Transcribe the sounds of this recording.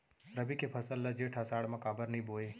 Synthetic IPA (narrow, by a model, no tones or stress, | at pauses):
ɾɐbikepʰɐsəlːɐd͡ʒeːʈʰasaːɽmɐkaːbəɾnĩboːeː